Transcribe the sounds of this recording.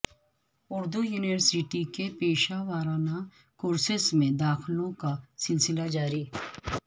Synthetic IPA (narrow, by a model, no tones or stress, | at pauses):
ʊɾd̪ujuːnɪʋəɾsɪʈikepeːʃaʋaːɾaːna | kʊɾsɪsmẽd̪aːxlõkasɪlsɪlad͡ʒaːɾiː